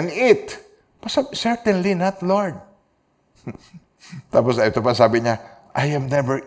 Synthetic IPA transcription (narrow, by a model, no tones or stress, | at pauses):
nɪt̪ | bɐssɛɹt̪ɛ̃nlinɐt̪lɔɹd̪̚ | t̪aːpɔsaɪt̪opɐŋsaːbɪɲaʔajɛmnɛvɛɹ